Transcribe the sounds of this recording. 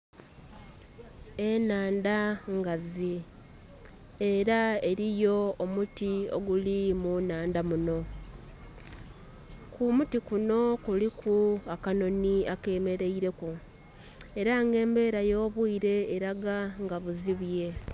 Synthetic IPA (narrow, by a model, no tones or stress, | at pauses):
enaːndaŋɡazi | e̞ɾae̞ɾijo̞ːmutio̞̰ɡulimunaːndamuno̞ | kumutikuno̞kulikʰuakano̞niake̞me̞ɾe̞iɾe̞ku | e̞ɾaŋɡe̞ːmbe̞ːɾajo̞ːβwiːɾe̞ːɾaɡaŋɡaβuziβje̞